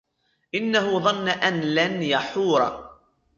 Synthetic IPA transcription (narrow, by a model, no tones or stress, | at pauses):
ʔɪnːaɦʊðˤɑnːaʔanlanjaħuːɾˤɑ̰